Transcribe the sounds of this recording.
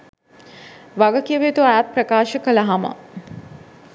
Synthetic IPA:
ʋaɡɐkijəʋet̪uæːt̪̚pɾəkaːʃəkəlɐɦamɐ̰

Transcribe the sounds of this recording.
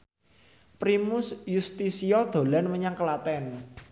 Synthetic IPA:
pɾimʊsjust̪isiɔd̪̥o̤lanməɲaŋkəlat̪ɛn

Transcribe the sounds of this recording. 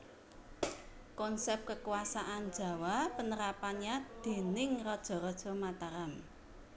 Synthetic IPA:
kɔnsɛp̚kəkuwasaʔand̥d͡ʒ̥ä̤wapənəɾapanɲad̪̥e̤nɪŋrɔd̥ʒ̥ɔ̤ɾɔd̥ʒ̥ɔ̤mat̪aɾam

